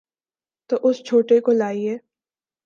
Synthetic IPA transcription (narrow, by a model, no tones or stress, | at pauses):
t̪oʔʊst͡ʃʰoːʈekolaːiɦɛː